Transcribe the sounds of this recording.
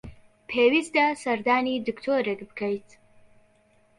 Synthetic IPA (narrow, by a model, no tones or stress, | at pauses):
pʰeːwist̪asɐɾd̪aːniːd̪ɨkt̪ʰoːɾɛkbɨkʰɐjt̪